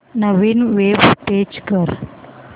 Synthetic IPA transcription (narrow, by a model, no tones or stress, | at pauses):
nəʋinʋeʋʈed͡ʑkəɾ